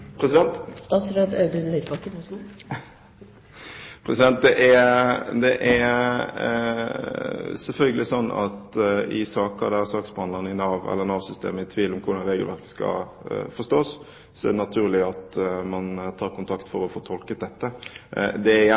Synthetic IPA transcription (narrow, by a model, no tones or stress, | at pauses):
pʰɾɛsɪd̪ɛnt̪st̪ɑːt̪sɾød̪ɑʉd̪əlœt̪bɑkːəs | pʰɾɛsɪd̪ɛnt̪̚d̪ɛʔæd̪ɛʔæ | sɛlfœlɡəlɪsɔnːɑ̰t̪ɪ̰sɑːkə̰d̪ɛsɑːksbhɑnd̪ɑnɪnɑːʋɛ̰lːəʁnɑːʋsʏst̪ḛːməɪt̪ʰʋiːlɔmkʰʊɾd̪ɑnɾeːɡəlʋæɾkə̥skɑ̰ | fɔst̪oːs | sɔɛ̰d̪ɛnɑt̪ʰʉːʁlɪɑt̪mɑnt̪ʰɑːɾkʊnt̪ʰɑkt̪fɔɾɔfoːt̪ʰɔlkət̪̚d̪ɛt̪ːəd̪ɛæ